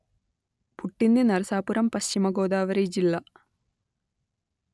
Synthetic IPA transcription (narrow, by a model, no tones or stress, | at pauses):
puʈːinːinɐɾɐsaːpuɾɐmpɐɕt͡ʃimɐɡo̞ːd̪aːʋɐɾed͡ʑilːɐ